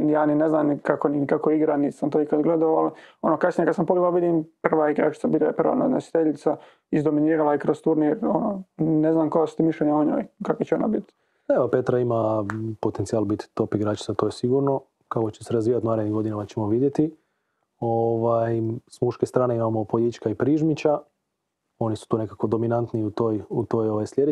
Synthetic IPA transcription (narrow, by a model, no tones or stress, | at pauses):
jaːnineznaːmnkakoninikakoiɡɾaniːsamt̪oikad̪ɡled̪aalo̞nokasnʲijekad̪sampoɡeɡalʋid̪imprʋaiɡɾa̰ːt͡ʃi̥tsabilapr̩ʋa̰nad̪nesi̥t̪eʎit̪sa | izd̪ominiːɾalaikɾost̪uɾniɾononeznaːmko̞jasut̪imiʃlʲeɲaoɲo̰ːjkakʋet͡ɕeona̰bit̪ | eʋapet̪ɾaimapo̞t̪e̞nt̪iaːlbit̪i̥t̪o̞piɡɾaːt͡ʃi̥t̪sat̪oːjesiɡuɾno̞ | kakot͡ɕeseɾazʋiːjat̪unaːɾed̪niɡo̞d̪inamat͡ɕe̞mo̞ʋid̪jet̪i | oʋajsmuʃkest̪ɾaːneimamopojʲit͡ʃkaipɾiːʒmit͡ɕa | o̞nisu̥t̪uːne̞kako̞d̪o̞minant̪niut̪ojut̪oːjoʋajslʲjed̪e